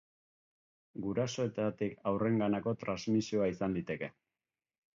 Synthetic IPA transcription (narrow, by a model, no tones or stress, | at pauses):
ɡuɾaso̞e̞t̪at̪ikawre̞ŋɡanako̞t̪ɾanzmisio̞aisand̪it̪e̞ke̞